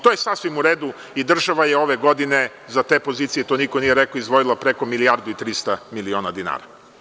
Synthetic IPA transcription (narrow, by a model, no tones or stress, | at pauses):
t̪ojesasʋimuɾeːd̪u | id̪r̩ʒaʋajeo̞ʋeɡo̞d̪ine | zat̪epo̞ziːt̪sijet̪onikonijeɾɛkoizd̪ʋo̞ilˠapɾeko̞milijaɾd̪uit̪ɾist̪amilio̞ːnad̪ina̰ːɾa̰